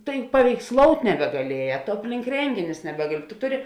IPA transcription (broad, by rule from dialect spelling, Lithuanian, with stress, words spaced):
tɐɪ pɐʋʲɛɪksˈlˠoːʊtʲ nʲɛbʲɛɡɐˈlʲiɛjɛ toː ˈɑːpʲlʲɪŋk ˈrʲɛŋʲɡʲɪnʲʊs nʲɛˈbʲæːɡɐlʲɪ tʊ ˈtʊˌrʲɪ